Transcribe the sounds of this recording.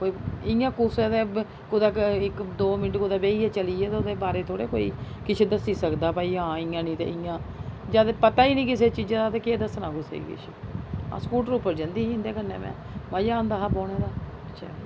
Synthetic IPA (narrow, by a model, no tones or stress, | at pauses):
koːiɪjãːkʊseːt̪eː | kʊd̪aːɪkd̪oːmɪnəʈkʊd̪aːbeːiːɛːt͡ʃəliːɛːt̪eːʊd̪eːbaːɾeːt̪ʰoːɽḛːko̰ːḭː | kɪt͡ʃʰeːd̪əsiːsəkd̪aːpaːiːãːɪːãːnĩːt̪ḛːʔɪjãːd͡ʒaːd̪pət̪aːiːnĩːkɪseːt͡ʃiːd͡ʒãːd̪aːt̪eːkeːd̪əsnaːkʊsḛːḭkɪ̰t͡ʃʰḛːã̰ːskuːʈəɾʊːpːəɾd͡ʒənd̪iːɪ̃nd̪eːkənːḛ̃ːmɛ̰̃ː | maːjãːnd̪aːɦaboːɽeːd̪aː | ətːʃʰa̰ː